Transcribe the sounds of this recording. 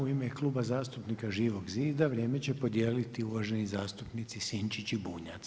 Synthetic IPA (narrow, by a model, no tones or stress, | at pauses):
uimeklˠuːbazaːst̪upnikaʒiːʋo̞ɡziːd̪aʋɾje̞ːme̞t͡ɕe̞po̞d̪jeːlit̪iuʋaʒe̞nizaːst̪upnit̪sisint͡ʃit͡ɕibuːɲat̪s